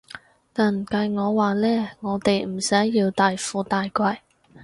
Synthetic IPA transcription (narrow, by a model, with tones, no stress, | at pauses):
t̪aː˨˩n̩˨˩kɐ˧jŋɔː˨˧waː˨lɛː˥ŋɔː˨˧t̪e˨jm̩˨˩sɐ˨˥jːiː˧wt̪aː˨jfuː˨˧t̪aː˨jkʷɐ˧j